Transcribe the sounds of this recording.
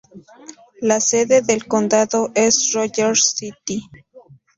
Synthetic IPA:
lase̞ðe̞ðelkond̪aðo̞ʔesroʝeɾsit̪i

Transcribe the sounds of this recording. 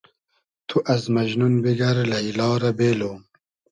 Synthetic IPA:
t̪ʰuʔɐzmɐʑnunbiɡɐɾlɐilɑːɾɐbeːloːm

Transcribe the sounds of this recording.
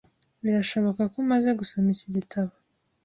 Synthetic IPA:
βiɾaʃo̞βokakomaze̞ɡusomisiɟitʰaβo

